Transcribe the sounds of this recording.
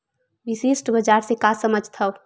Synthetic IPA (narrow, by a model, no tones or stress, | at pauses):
ʋisiːsʈbəd͡ʒaɾsekasəməd͡ʒʱt̪ʰɐʊ